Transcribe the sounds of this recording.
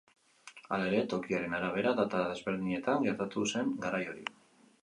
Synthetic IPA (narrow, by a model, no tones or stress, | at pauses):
a̰lae̞ɾe̞t̪o̞kiaɾe̞naɾaβ̞e̞ɾaðat̪aðe̞zβe̞ɾðiɲe̞t̪aŋɡe̞ɾt̪at̪use̞ŋɡaɾajo̞ɾḭ